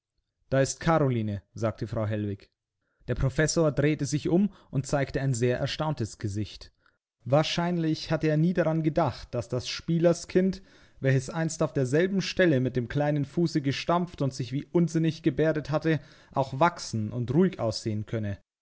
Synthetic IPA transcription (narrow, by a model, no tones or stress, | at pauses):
d̥aːɪstkʰaʁoliːnəz̥aːk̚tʰəfʁ̥aʊɦɛlvɪç | d̥eːɐpʁ̥ofɛsoːɐdʁeːtəzɪçʔʊmʔʊnt̚t͡saɪktəaɪnzeːɐʔɛ̰ɐʃtaʊntəsɡ̥əzɪçt | vaːɐʃaɪnlɪçhatəeːɐniːdaʁanɡədaχt̚d̥asd̥asʃpiːlɐskʰɪnt | v̥ɛlçəsʔaɪnstaʊfd̥eːɐzɛlbm̩ʃtɛləmɪt̚d̥eːmkl̥aɪnənfuːsəɡəʃtamftʊntz̥ɪçv̥iːʔʊnzɪnɪçɡ̥əbeːɐdəthatə | ʔaʊxv̥aksn̩ʔʊ̰ntʁuːɪçʔa̰ʊsz̥eːənkʰœnə